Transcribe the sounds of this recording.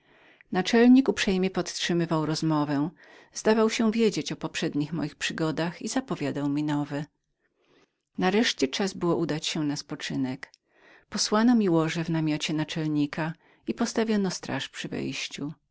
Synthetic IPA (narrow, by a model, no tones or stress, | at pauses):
nat͡ʂɛlɲikupʂɛjmʲjɛpɔt̪tʂɘmɘvawɾɔzmɔvɛ | zd̪avawɕɛ̃vʲjed͡ʑet͡ɕɔpɔpʂɛd̪ɲixmɔjixpʂɘɡɔd̪axizapɔvʲjad̪awmʲinɔvɛ | naɾɛʂt͡ɕɛt͡ʂazbɘwɔʔud̪at͡ɕɕɛnaspɔt͡ʂɘnɛk | pɔswanɔmʲiwɔʐɛvnamʲjɔt͡ɕɛnat͡ʂɛlɲikʰa | ipɔst̪avʲjɔnɔst̪ɾʔa̰ʂpʂɘvɛ̰jɕt͡ɕu